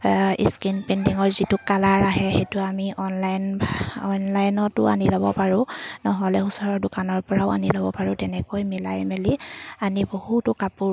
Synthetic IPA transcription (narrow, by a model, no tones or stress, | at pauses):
ḭskinpɛndiŋɔɹzitukalaɹaɦɛxejtʊamiʔɔnlajnbɔnlajnɔtʊ̰a̰nilɔbɔpaɹʊ̃nɔɦɔlɛusɔɹɔɹdʊkanɔɹpɔɹaʊa̰nilɔbɔpaɹʊ̃tɛnɛkojmilajmelianibohutʊkapuɹ